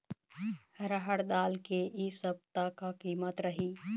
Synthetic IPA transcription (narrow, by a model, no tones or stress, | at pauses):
hɐɾaɦəɽd̪aːlkeʔisəb̚t̪akakiːmət̪ɾɐɦiː